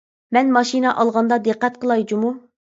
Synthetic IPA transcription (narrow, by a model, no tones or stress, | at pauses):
mɛnmɑʃinɑʔɑlˠʁɑnd̪ɑd̪ɨqːɛt̪̚qʰəlˠɑjd͡ʒumu